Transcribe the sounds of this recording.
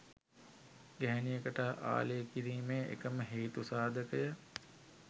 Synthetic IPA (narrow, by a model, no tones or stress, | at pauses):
ɡæɦænijəkəʈəʔa̰ːlejːkiɾiːmeːʔḛkəməɦeːt̪usaːd̪ʱəkəjə